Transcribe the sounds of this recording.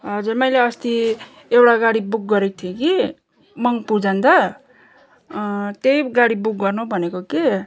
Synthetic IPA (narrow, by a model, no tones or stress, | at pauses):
ɦʌd͡zurmʌjleʌst̪i | ewɽaɡaɽibuk̚ɡʌɾek̚t̪ʰjeki | mʌŋpud͡zʌnd̪ʌ | t̪ejɡaɽibuk̚ɡʌrnubʱʌnekoke